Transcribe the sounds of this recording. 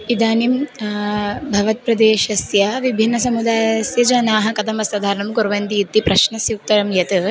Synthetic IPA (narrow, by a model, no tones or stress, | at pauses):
id̪aːnim | bʱɐʋɐt̪̚pɾɐd̪eːʃɐsjɐʋibʱinːɐsɐmud̪aːjɐsjɐd͡ʒɐnaːɦɐ̆kɐt̪ɐmɐsɐd̪ʱaːɾɐɳɐmɡoɾʋɐnd̪iːt̪ːipɾɐʃnɐsjuk̚t̪ɐɾɐmjɐt̪